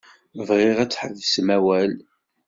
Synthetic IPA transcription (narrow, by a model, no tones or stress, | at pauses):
vʁɪʁæt͡sːħəvsmæwæl